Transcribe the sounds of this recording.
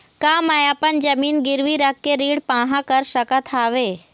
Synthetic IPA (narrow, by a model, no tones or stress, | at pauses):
kaːmajapənd͡ʒɐmiːnɡɪɾʋiɾɐkːeɾiːɽpãːɦãkəɾsɐkət̪ʰaːʋeː